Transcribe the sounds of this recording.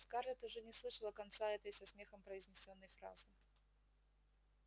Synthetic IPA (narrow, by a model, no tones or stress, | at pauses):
skaɾlʲɛt̪ʊʐɛnʲɪslˠɨʂəlˠəkɐnt̪saɛt̪əjsɐsmʲe̞xəmpɾəɪzʲnʲɪsʲonːəjfɾa̰zɨ